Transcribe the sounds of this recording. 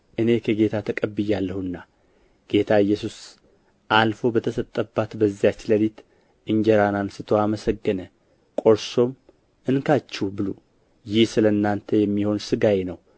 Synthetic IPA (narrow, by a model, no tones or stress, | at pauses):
ʔɨne̞kʰəɡe̞t̪ʰat̪ʰəkʼəbːɨjalːəhunːa | ɡ̥e̞t̪ʰaɨjːɛsus | ʔalfo̞bət̪ʰəsət̪ʼːəbːat̪bəzːijat͡ʃːləlit̪ | ʔɨɲd͡ʒəɾanansɨt̪ʰoaməsəɡːənə | kʼo̞ɾso̞m | ʔɨnkʰat͡ʃːubɨlo | jɪhsɨlənːant̪ʰəjɛmːiho̞nsɨɡajenəw